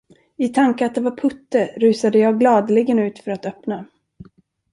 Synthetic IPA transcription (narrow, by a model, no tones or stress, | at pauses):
ɪt̪ʰaŋkəat̪̚d̪ɛvaɾpʰɵt̪ːəɾʉ̟ːsad̪əjɑːɡlɑːd̪lɪɡənʉ̟ːt̪fœɾat̪œpna